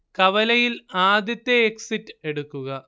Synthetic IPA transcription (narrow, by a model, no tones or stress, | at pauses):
kɐʋɐlɐjilaːd̪jɐt̪ːeːksitːɨe̞ɽukːuɣɐ